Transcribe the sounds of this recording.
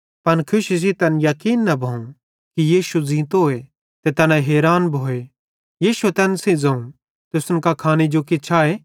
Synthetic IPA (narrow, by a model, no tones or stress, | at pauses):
pɐnkʰʊʃisit̪ɐnjɐkiːnːɐbʱɐũ | kijiːʃuzĩːt̪oːe | t̪et̪ɐnãɦeːɾaːnbʱoːe | jiːʃuet̪ɛnsĩd͡zɐ̃ũ | t̪ʊsʊnkakʰaːnid͡ʒokɪt͡ʃʰaeː